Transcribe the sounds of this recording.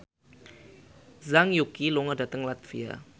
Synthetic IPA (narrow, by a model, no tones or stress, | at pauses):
zaŋjukiloŋədat̪əŋlat̪fḭa̰